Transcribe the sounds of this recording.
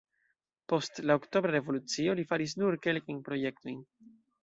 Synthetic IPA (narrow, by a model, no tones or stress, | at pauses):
po̞stlaokto̞bɾaɾe̞vo̞lut͡sio̞lifaɾis̬nuɾke̞lkajnpɾo̞je̞kto̞jn